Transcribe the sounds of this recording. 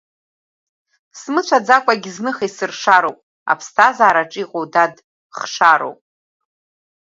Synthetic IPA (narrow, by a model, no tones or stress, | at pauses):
smɨt͡ʃʷʰad͡zakʷʼaɡʲiznɨχajsɨrʂaɾowpʼ | a̰pʰstʰazaːɾaʈ͡ʂʼiqʼowdad | χʂaɾo̰wpʼ